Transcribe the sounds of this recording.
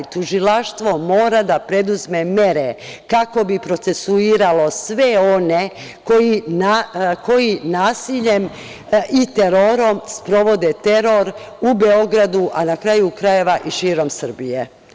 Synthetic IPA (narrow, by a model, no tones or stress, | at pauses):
t̪uʒilaʃt̪ʋo̞mo̞ːɾad̪apɾe̞d̪uzme̞me̞ɾekako̞bipɾo̞t̪se̞suiːɾalo̞sʋe̞o̞ne | ko̞jinako̞jinaːsiʎe̞m | it̪e̞ɾo̞ɾo̞mspɾo̞ʋo̞d̪et̪e̞ɾo̞ɾ | ubeo̞ɡɾad̪uʔanakɾajukɾaje̞ʋaʔiʃiːɾo̞msr̩bije